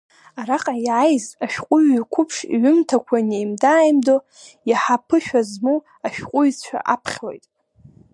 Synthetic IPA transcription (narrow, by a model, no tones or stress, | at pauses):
aɾaqʼajʕajzaʃᶣqʷʼʊɥakʷʰʊpʰʂḭʕʷʊmtʰakʷʰanejmdaːjmdo | jaħapʰɨʃᶣazmu | aʃᶣqʷʼʊjt͡st͡ʃʷʰa̰ʔapʰχʲlo̰jtʼ